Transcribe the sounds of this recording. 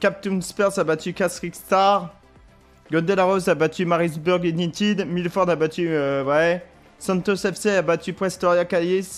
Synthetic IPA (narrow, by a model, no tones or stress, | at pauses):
kʲap̚t̪unspɛʁsabat̪ʰykʲasχikst̪aʁ | ɡɔ̃d̪ɛlaʁɔzabat̪ymaʁisbuʁɡenĩt̪id̪milfɔʁd̪abat̪yøwɛ | sɑ̃t̪ɔsɛfseabat̪ypχɛst̪ɔʁjakalis